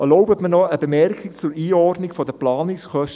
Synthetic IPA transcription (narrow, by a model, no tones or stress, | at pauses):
ɛlɔʊbətmənɔəbemɛrkʰik̚t͡sʊɾiːɔrdnikfɔdəplɑːnɪksχœʃt